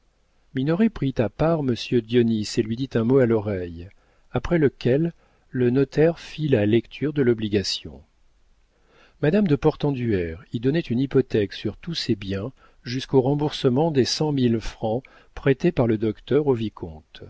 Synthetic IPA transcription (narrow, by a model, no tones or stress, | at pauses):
minɔʁipχit̪apaʁməsjød̪jɔniselɥid̪it̪ɛ̃moalɔʁɛj | apχɛləkʲʰɛlː | ənɔt̪ʰɛʁfilalɛkt̪ʰyʁd̪əlɔbliɡasjɔ̰̃ | mad̪amd̪əpɔʁt̪ɑ̃d̪yɛʁid̪ɔnɛt̪ynipɔt̪ɛksyʁt̪usɛbjɛ̃ | ʒyskoʁɑ̃buʁsəmɑ̃d̪esɑ̃milfχɑ̃ | pχet̪epaʁləd̪ɔkt̪œʁovikʰɔ̃t̪